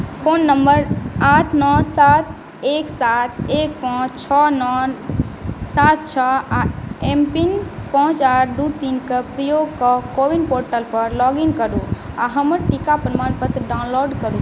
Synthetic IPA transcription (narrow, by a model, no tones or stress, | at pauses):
pʰoːnːəmbəɾaʈʰnɔsat̪ | eːksat̪̚ʰeːk̚pãːt͡ʃt͡ʃʰɔnɔ | sat̪̚t͡ʃʰɔ | empinpɔ̃ɦt͡ʃaɾd̪ut̪inkepɾəjoɡkɔkoʋinpoɾʈəlpəɾlɔɡiŋkəɾu | aɦəməɾʈikapɾmaɾpət̪ɾɖaʊnloɖkəɾu